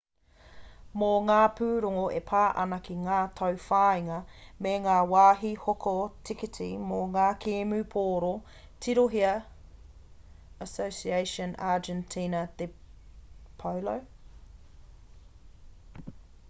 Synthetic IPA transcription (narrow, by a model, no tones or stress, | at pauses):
moŋaːpʰʉːɾoŋoʔepʰaːʔɐnɐkʰiŋaːtʰɐwfaːiŋɐmeŋaːwaːɦihokʰotʰikitʰḭmoŋaːkʰeːmʉːpʰoːɾo | tʰiɾoɦiɐ | əsowsiejʃonʔaːd͡ʒɛntʰiːnɐd̪e | pʰɐwlow